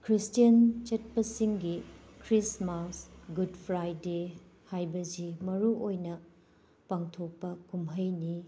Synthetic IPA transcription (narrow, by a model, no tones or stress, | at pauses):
kʰɾistijɐnt͡ʃet̚pɐsiŋɡi | kʰɾismasɡudpʰɾajde | hajbɐzimɐɾuʔojnɐ | paŋtʰok̚pɐkumɦɐjni